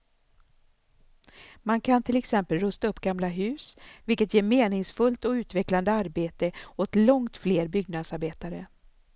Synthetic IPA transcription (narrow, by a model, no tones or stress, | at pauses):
mankʰant̪ʰɪlɛksɛmpəlɾɵst̪aɵpːɡamlaɦʉ̟ːsvɪlkət̪jeːɾmeːnɪŋsfɵlt̪ɔʉ̟ːt̪vɛkland̪əaɾbeːt̪əɔt̪lɔŋt̪fleːɾbʏɡnad̪saɾbeːt̪aɾə